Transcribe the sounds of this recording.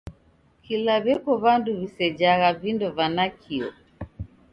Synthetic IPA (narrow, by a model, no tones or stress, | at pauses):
kilaβɛkɔβanduβisɛd͡ʒaɣavindɔvanakʰiɔ